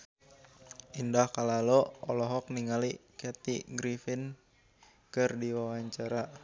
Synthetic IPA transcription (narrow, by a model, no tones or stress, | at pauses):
indahkalaloɔlɔɦɔk̚niŋalikɛt̪iɡɾifɪn | kɨrdiwawaɲt͡ʃaɾa